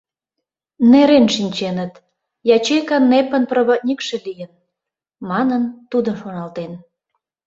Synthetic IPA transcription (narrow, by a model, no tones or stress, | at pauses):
neɾenʃinʲt͡ɕenət̪ | jɑt͡ɕekɑnːepənproβot̪̚ʲnʲikʃelijən | mɑnənt̪ud̪əʃonɑlt̪en